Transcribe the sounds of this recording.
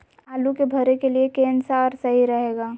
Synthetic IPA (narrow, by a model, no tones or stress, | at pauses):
aːlukebʱəɾekeliekẽːnsaɔːɾsɐɦiɾəɦeːɡaː